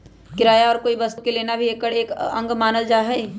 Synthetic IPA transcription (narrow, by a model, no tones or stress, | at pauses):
kɪɾaːjaɔːɾkoːibɐst̪okeleːnabʱieːkɐɽeːkɐ̰̃ŋɡmaːnəld͡ʒaːɦɛː